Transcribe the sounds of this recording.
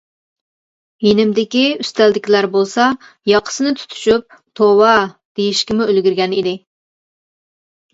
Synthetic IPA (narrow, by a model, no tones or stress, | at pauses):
jenɪmd̪ɪkʲiyst̪æld̪ɪkʲilæɾbolˠsɑ | jɑqʰə̥sɨnɨt̪ʰu̥t̪ʰy̥ʃyp̚ | t̪ʰowɑd̪̥ejiʃkʲimʊølɡʲyɾɡʲɛnid̪ɪ